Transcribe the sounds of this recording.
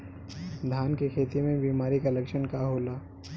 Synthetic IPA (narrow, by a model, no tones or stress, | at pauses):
d̪ʱaːnkekʰeːt̪imẽbiːmaːɾikalɐkʃənkaɦoːlaː